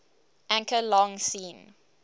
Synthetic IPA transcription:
ʔæ̃ŋkəlɔ̃ŋsĩːn

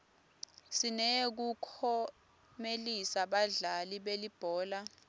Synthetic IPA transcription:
sinɛek̬ukʰɔ | melisaɓaɮaliɓelib̥ʱɔːla

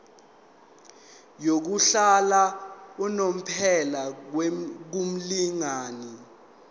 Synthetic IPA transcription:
jok̬uɬalaunom̩pʰɛla | k̬um̩liŋaːni

